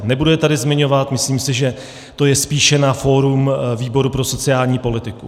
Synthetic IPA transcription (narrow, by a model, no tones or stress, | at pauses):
nɛbudɛt̪adɪzmɪɲo̞vat̪mɪsliːmsɪʒɛ | t̪o̞jɛspiːʃɛnafo̞ːɾumviːbo̞ɾupɾo̞so̞t͡sɪaːlɲiːpo̞lɪt̪ɪku